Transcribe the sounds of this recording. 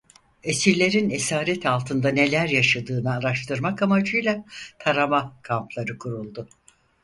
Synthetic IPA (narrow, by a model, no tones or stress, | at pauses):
e̞siɾlʲe̞ɾine̞saːɾɛt̪ʰalˠt̪ʰɯnd̪ane̞lʲæɾjaʃad̪ɯːnɯaɾaʃt̪ʰɯɾmakamad͡ʒɯjlˠat̪ʰaɾamakʰamplˠaɾɯkʰuɾulˠd̪ʊ